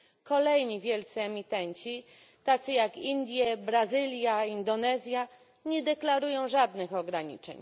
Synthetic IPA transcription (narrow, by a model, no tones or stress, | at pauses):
kɔlɛjɲivʲjɛlt̪sɨɛmʲit̪ɛɲt͡ɕi | t̪at̪sɨjakind̪ʲjɛbɾazɘlʲjaind̪ɔnɛzʲja | ɲɛd̪ɛklaɾujɔ̃w̃ʐad̪nɘxɔɡɾaɲḭt͡ʂɛ̰ɲ